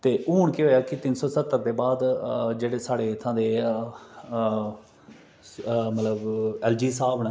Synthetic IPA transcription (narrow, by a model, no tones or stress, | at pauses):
t̪eːʔuːɳkɪɦoːjaːkɪt̪ɪnsɔːsət̪ːəɾt̪eːbaːd̪d͡ʒeːɽeːsaːɽeːt̪ʰãːd̪eː | mət̪ləbɛːld͡ʒiːsaːbn